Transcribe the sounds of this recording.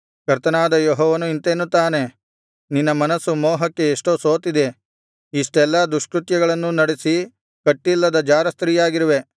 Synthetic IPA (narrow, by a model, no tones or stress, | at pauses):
kɐɾt̪ɐnaːd̪ɐjoɦɔːʋɐnuint̪eːnut̪aːne̞ | ninːɐmɐnɐsːumɔːɦɐkːe̞ːʂʈoːso̞ːt̪id̪e̞ | iʂʈɛlːɐd̪uʂkɾut̪jɐɡɐɭɐnːunɐɽesi | kɐʈːilːɐd̪ɐd͡ʒaːɾɐst̪ɾiːjaːɡiɾuʋe̞